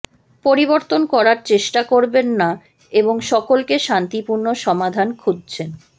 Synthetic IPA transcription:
poɾiboɾt̪onkɔɾaɾt͡ɕeʃʈakoɾbenːa | eboŋʃɔkolkeʃant̪ipuɾnoʃɔmad̪ʱankʰud̪̚t͡ɕʰen

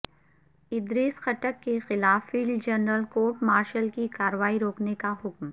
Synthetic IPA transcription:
ɪd̪ɾiːsxɐʈəkːexɪlaːfːiːld͡ʒɐnɾəlkoːɾʈmaːɾʃəlkikaːɾəʋaːiɾoːknekaɦʊkm

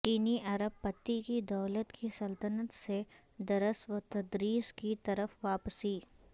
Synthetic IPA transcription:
t͡ʃiːniʔɐɾəbpɐt̪ːikid̪ɐːlət̪kʰisɐlt̪ənət̪se | d̪ɐɾəsʋət̪ɐd̪ɾiːskit̪ɐɾəfʋaːpsiː

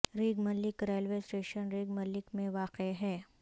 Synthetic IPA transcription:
ɾiːɡmɐlɪkɾeːlʋeːsʈeːʃənɾiːɡmɐlːɪkmẽʋaːqeɦɛː

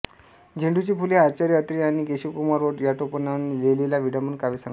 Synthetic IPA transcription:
d͡ʑeɳɖut͡ɕiːpuliat͡ɕaɾiət̪ɾiaɽ̃ikeɕikumaɾʋoʈjat̪opənanlelelaʋiɽamənkaʋiːsãŋ

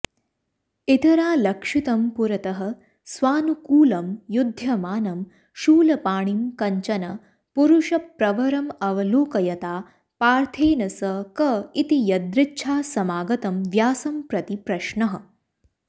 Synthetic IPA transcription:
it̪ɐɾaːlɐkʂit̪ɐmpuɾɐt̪ɐɦɐ̆ | sʋaːnukuːlɐmjud̪ʱjɐmaːnɐm | ʃuːlɐpaːɳimkɐɲt͡ʃɐnɐ | puɾuʃɐpɾɐʋɐɾɐmɐʋɐloːkɐjɐt̪aː | paːɾt̪ʰeːnɐsɐkɐit̪ijɐd̪ɾɪtːʃʰaːsɐmaːɡɐt̪ɐmʋjaːsɐmpɾɐt̪ipɾɐʃɳɐɦɐ̆

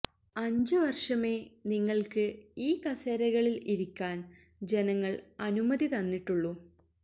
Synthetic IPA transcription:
ɐɲd͡ʑɨʋɐrʂɐme̞ːniŋːɐɭkɨiːkɐseːɾɐɣɐɭiliɾikʲːaːn | d͡ʑe̞nɐŋːɐɭɐnumɐðit̪ɐnːiʈːuɭːu

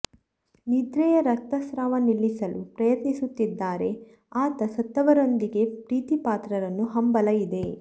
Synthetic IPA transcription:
nid̪ɾɛjɐɾɐk̚t̪ɐsɾaːʋɐnilːisɐlupɾɐjɐt̪nisut̪ːid̪ːaːɾe̞ | aːt̪ɐsɐt̪ːɐʋɐɾo̞nd̪iɡe̞pɾiːt̪ipaːt̪ɾɐɾɐnːuɦɐmbɐlɐjid̪e̞

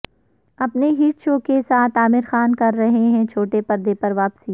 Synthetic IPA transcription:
ɐpneɦiːʈʃoːkesaːt̪ʰaːmɪɾxaːnkɐɾːɐɦeɦɛ̃t͡ʃʰoːʈepɐɾd̪epɐɾʋaːpsiː

